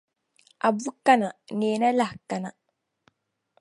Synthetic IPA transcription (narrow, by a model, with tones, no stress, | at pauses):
a˨bu˦ka˦na˨neː˨na˦la˦hka˨na˨